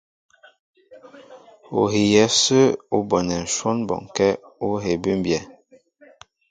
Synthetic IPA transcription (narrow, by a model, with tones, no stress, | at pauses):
o̰˨ɦi˨jɛ˨˦sə˦u˦bɔ˨nɛ˨n̩˨ʃwɔ˦nbɔ̰˨ŋ˨kɛ˦o˦ɦe˨bʉ˦m˦bjɛ˨